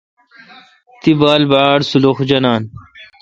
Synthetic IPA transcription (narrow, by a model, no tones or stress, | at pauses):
t̪ibaːlbaːɽsuloxd͡ʑɐnaːn